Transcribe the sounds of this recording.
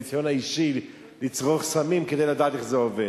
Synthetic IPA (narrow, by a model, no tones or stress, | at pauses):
t͡sjɔnaiʃil | lit͡sʁoχsamimkəd̪eɪladaːt̪iχzɛovɛ